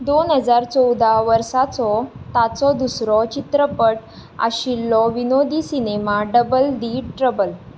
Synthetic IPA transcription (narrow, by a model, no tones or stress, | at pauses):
d̪onɦəd͡zaɾt͡sɔwd̪ʱaʋəɾsat͡sɔt̪at͡sɔd̪usɾɔt͡ɕit̪ɾəpəʈ | a̰ɕilːɔʋinod̪ʱiːsinemaɖəbəlɖ̪iːʈɾəbəl